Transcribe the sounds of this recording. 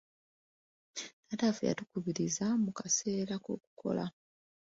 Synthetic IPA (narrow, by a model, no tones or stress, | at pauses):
natafuja̰tukuβiɾizamukase̞ːɾako̰ːku̥kʰo̞̰la̰